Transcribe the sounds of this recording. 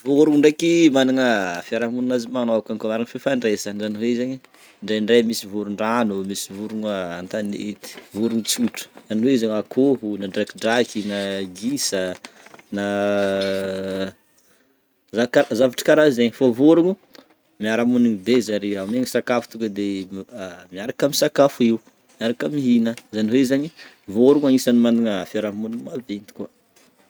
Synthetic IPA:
voɾuŋuɳɖ͡ʐekimanaŋəfiaɾamuninazimanoakaŋkamaɾaŋifefaɳɖ͡ʐesanzaniweizaɲi | ɳɖ͡ʐajɳɖ͡ʐajmisivuɾuɳɖ͡ʐanumisivuɾuŋaant̪anet̪i̥vuɾuŋut͡suʈ͡ʂə̥zaniweizaɲakʰoɦunaɖ͡ʐakiɖ͡ʐakinaɡisə | na | zakazavaʈ͡ʂə̥kaɾazeɲifavoɾuŋu | miaɾamuniŋibezaɾiameŋisakafu̥t̪ukʲəd̪e | miaɾakamisakafuiw | miaɾakamiɦinəzaniweizaɲi | voɾuŋaŋisanimanuŋəafaɾamunimavent̪i̥kua

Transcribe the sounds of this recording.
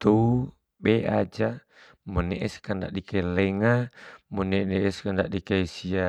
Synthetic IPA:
t̪u | bɛʔad͡ʒa | munɛʔɛskanda̰ʔdikailɛŋamunɛnɛɛskandaʔdikaisia

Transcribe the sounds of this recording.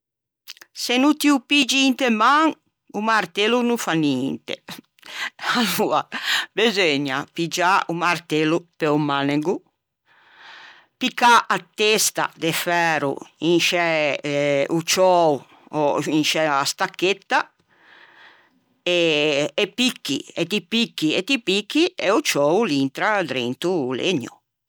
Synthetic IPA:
senut̪iupid͡ʒiint̪emaŋ | umaɾt̪elunufaniint̪ḛ | aluːabezeɲapid͡ʒaumaɾt̪elupeumaneɡu | pikːaʔat̪est̪a̰d̪ɛfɛːɾṵinʃɛ | ut͡ʃɔu | ɔinʃɛast̪akːet̪ːa | ɛː | pikːḭɛt̪ipikːiɛt̪ipikːiɛut͡ʃɔːulint̪ɾad̪ɾḛnt̪ulḛɲːṵ

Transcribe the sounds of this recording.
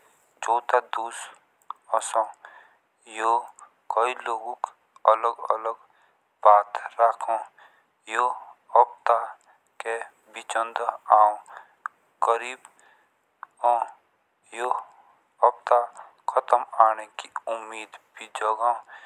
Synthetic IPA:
d͡ʒoːt̪ad̪uːs | ɔsõː | jo | kəiloːɡõk | ələɡə̰ləɡ | baːt̪ɾaːkʰõː | joəb̚t̪a | ke | bit͡ʃənd̪aːõ | ɡ̥əɾiːb | õː | jo | əbt̪a | kʰət̪əmaːnekiʊmːiːd̪bʱid͡ʒɔɡaːõ

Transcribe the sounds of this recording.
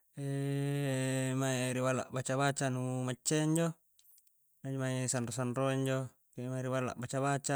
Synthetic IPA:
e | maeɾiwalːa̰ʔbat͡ʃaβat͡ʃanumat͡ʃːeiɲd͡ʒo | nad͡ʒomaisanrosanroiɲd͡ʒo | kemaiɾiwalːa̰ʔbat͡ʃabat͡ʃa

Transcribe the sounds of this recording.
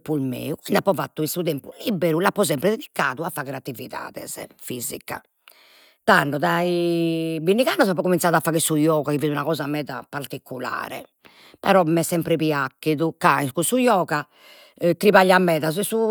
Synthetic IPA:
pulmḛːukind̪apːɔvat̪ːuisut̪ɛmpulibːeɾulapːɔzɛmpɾɛd̪ed̪ikːaːðuafaːɣɛɾat̪ːiviða̰ːðɛ̰zɛ̰fizḭka̰ | t̪anːɔðaibinːiɣanːɔzapːɔkumintsaðafːaːɣɛsujɔːɣakiviːd̪unaɣɔːzamɛːða̰paɾt̪ikʰːula̰ːɾɛ̰ | pɛɾɔmɛsːɛmpɾɛpiakːiðukaiskusujɔːɣa | t̪ɾiβaʎːamːɛːðaz̬ɛsu

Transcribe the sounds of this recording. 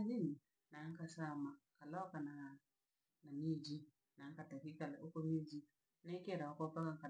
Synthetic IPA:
d͡ʒin | naŋkasamakalɔkana | namid͡ʒi | naŋkatakikalaukomid͡ʒi | nekeɾaokopakaŋka

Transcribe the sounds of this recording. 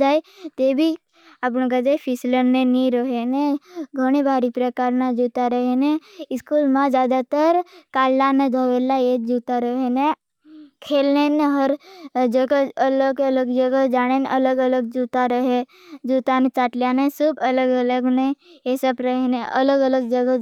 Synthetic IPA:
d͡ʒaːt̪ebʱi | apnõkad͡ʒaːpʰisləɾneniɾəɦeneɡʱəɽ̃ebʱaːɾipɾəkaːɾnad͡ʒut̪aɾəɦeneɪskuːlmãzjaːd̪at̪əɾkaːlːaned̪ʱəʋelajed͡ʒuːt̪aɾəɦene | kʰeːlneneɦəɾd͡ʒəɡəələɡələɡd͡ʒəɡəd͡ʒaːɽ̃enʔɐləɡələɡ̚d͡ʒuːt̪aɾəɦe | d͡ʒuːt̪anẽt͡ʃaːʈlijanẽsubələɡələɡnẽjesəbɾəɦeneʔələɡələɡd͡ʒəɡə

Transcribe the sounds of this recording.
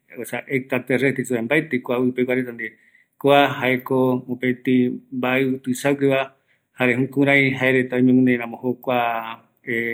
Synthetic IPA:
osaʔek̚t̪at̪eret̪isuembaet̪ekʷaɨpekʷaɾet̪and̪e | kʷaɦaekoopet̪imbaet̪ɨsawkeβa | haɾeɦũkũɾãj̃ɦaeɾet̪aĩmẽmũneɾ̃ãmõhokʷa | e

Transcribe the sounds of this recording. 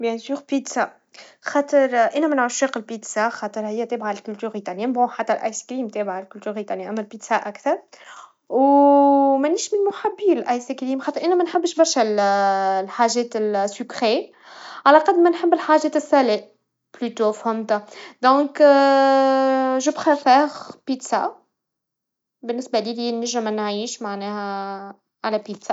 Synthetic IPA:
bjɛ̃syːʁpit̪sa | xɑːt̪ˤəɾˤʔænæmænʕʊʃwiːqɪlpit̪saxɑːt̪ˤəɾhɪjːæt̪ɛːbʕalkʊlt̪yʁit̪anjæmbõħat̪ːælʔa̰jskɾiːmt̪ɛːbʕalkʊlt̪yʁit̪anʔæmːælpit̪saʔækt̪ɑɾˤ | w | mænːiːʃmɪnmʊħabːiːlɪlʔajskɾiːmxɑːt̪ˤəɾʔænɛmænħəbːʃbɑɾˤʃɛllħaːʒɛːt̪ɪlsəkɾe | ʕalæqɑd̪mɛnħɪbːɪlħaːʒɛːt̪ɪsːæleʔ | blyt̪ofhʊmt̪ad̪ɔ̃ːk | ʒʊbxæfɛːɣpiːt̪sa̰ | bɪnːɪsbæliːliːnəʒɪmnʕiːʃmaʕnɛːhæ | ʕalæpiːt̪sa

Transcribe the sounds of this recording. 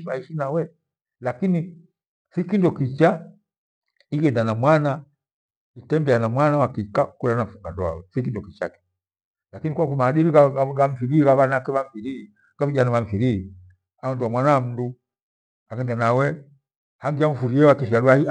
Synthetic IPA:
baiʃinawɛ | lakini | sikindɔkit͡ʃa | iɡɛndanamwana | itɛmbɛanamwanawakikakulanam̩fuŋɡa̰ndɔwa̰wɛsikindɔkit͡ʃa̰kɛ̥ | lakinikwakumaːɗiɾikaɡam̩fiɾikaβanakɛβam̩fiɾi | kaviʄanavaɱ̩fiɾii | aɔnduwamwanam̩du | aɡɛndanawɛ | haŋɡiaɱ̩fuɾiɛwakiʃialwahi

